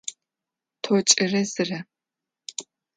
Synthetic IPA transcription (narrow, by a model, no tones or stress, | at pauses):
tʰot͡ʃʼɪrɐzɨrɐ